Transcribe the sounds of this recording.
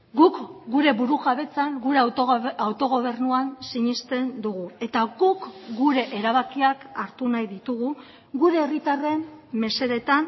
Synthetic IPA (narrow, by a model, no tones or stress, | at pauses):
ɡukɡuɾe̞βuɾuɣaβe̞t͡saŋɡuɾe̞awt̪o̞ɣo̞β̞e̞rnuansiɲist̪e̞nd̪uɣ̞ue̞t̪aɡukɡuɾe̞ʔeɾaβ̞akiakaɾt̪unajðit̪uɣ̞u | ɣuɾe̞ːrit̪are̞mme̞se̞ðe̞t̪an